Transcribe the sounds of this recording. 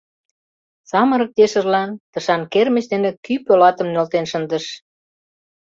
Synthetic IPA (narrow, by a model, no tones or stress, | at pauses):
sɑməɾək̚t̪eʃə̆rlɑnt̪əʃɑnkermət͡ɕd̪enĕkypolɑt̪əmnølt̪enʃənd̪ə̆ʃ